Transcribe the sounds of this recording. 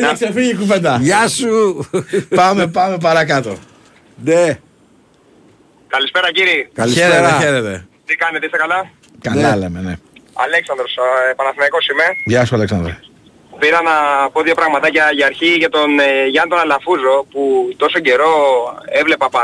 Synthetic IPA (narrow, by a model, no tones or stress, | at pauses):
ksefiʝikuvend̪ɐʝɐsu | pɐme̞pɐme̞p̬ɐɾɐkɐt̪o̞ | ne | kɐlispe̞ɾɐciɾikɐliçseeeɾɐçeɾet̪e̞̰t̪ikɐnet̪eist̪ekɐlɐ | kɐnɐlemenḛɐ̰leksɐnd̪ɾospɐnɐθinɐko̞sime̞ʝɐsuɐleksɐnd̪ɾo̰ | piɾɐnɐpo̞ðʝo̞pɾɐɣmɐt̪ɐcɐʝiɐɾçiʝɐt̪o̞nʝɐnt̪onɐlɐfuzo̞put̪o̞so̞ɟe̞ɾo̞evle̞pɐpɐ